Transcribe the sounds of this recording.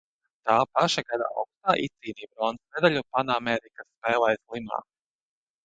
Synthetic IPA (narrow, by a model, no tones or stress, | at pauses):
t̪aːpaʃɛɡad̪a̰ɔ̰kst̪aːʔit̪siːniːbɾɔnsnɛd̪aʎʲupanamɛɾikaspɛːlˠajzlˠima̰ː